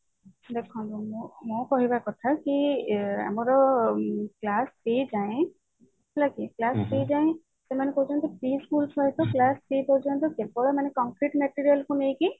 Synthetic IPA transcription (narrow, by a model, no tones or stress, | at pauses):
d̪ekʰɔ̃lɔmɔmɔkɔɦibakɔt̪ʰakia̰mɔɾɔ | klaspid͡ʒaj̃ | lakiklaspizaj̃ | sɛmanɛkout͡ʃʰant̪ɔpɾiskulsʰɔjt̪ɔklaspipɔd͡ʒʰant̪̬ɔkebɔlɔmanɛkɔŋkɾiʈmɛʈiɹijalkunejki